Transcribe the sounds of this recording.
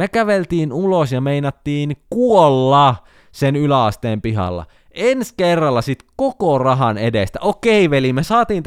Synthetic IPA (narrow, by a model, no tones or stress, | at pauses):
mekæʋelt̪iːnulosjɑmeinɑt̪ːiːnkuolːɑ | senylæɑst̪eːmpiɦɑ̰lːɑ̰ | enskerːɑlːɑsit̪kokorɑɦɑnedest̪æʔokeiʋelimesɑːt̪iːnt̪